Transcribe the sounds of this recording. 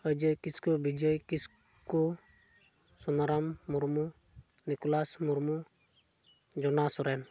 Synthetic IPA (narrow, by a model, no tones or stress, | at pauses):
əd͡ʒəjkiskɔbid͡ʒəjkis | kɔ | sɔnaɾamːuɾmu | nikɔlasmuɾmu | d͡ʒɔnasɔɾɛn